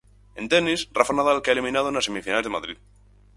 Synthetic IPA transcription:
ẽ̞nt̪enisrafanaðalkeaelimĩnað̞oenasemifinalezðmaðɾið

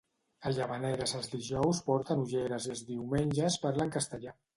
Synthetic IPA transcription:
əʎəβənɛɾəzəlˠzðiʒɔwspɔɾt̪ənuʒeɾəzəlˠzðiwmenʲʒəspəɾləŋkəst̪əʎa

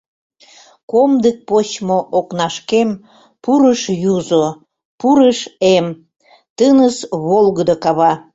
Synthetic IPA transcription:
komd̪ek̚pot͡ɕmoʔoknɑʃkem | puɾəʃjuzo | puɾəʃem | t̪ənəsβolˠɣəd̪okɑβɑ

